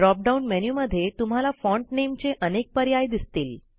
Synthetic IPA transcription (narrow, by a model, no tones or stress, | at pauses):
ɾɔp̚ɖaunmɛnjuməd̪ʱːjet̪um̤alafɔ̃ɳʈnemt͡ɕeʔənek̚pəɾjajd̪ist̪iːl